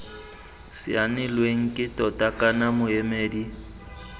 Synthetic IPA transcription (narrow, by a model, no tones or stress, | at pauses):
sɪ̰anɪlweŋ̩kʼɪtʼɔtʼakʼanamʊemeːdi